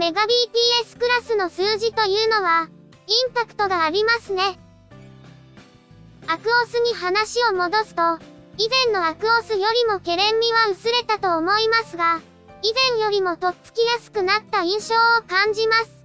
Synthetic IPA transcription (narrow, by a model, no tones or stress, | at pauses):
me̞ɡabʲiːt̪ʲiːesɨ̥kɯ̟ɾasɨno̞sɨːʑit̪o̞jɯ̟ːno̞βa | ĩmpakɯ̟̥t̪o̞ɡaːɾʲimasɨne̞ | akɯ̟o̞sɨɲ̟iɦanaɕio̞mo̞d̪o̞sɨ̥t̪o̞ | izẽ̞nːo̞akɯ̟osɨjo̞ɾʲimo̞ke̞ɾẽ̞mːʲiβaɯ̟sɨɾe̞t̪at̪o̞ːmo̞imasɨɡa | izẽ̞ɰ̃jo̞ɾʲimo̞t̪o̞t͡sɨ̥kʲijasɨ̥kɯ̟nat̪ːaĩɰ̃ɕo̞ːokãɲ̟d͡ʑimasɨ̥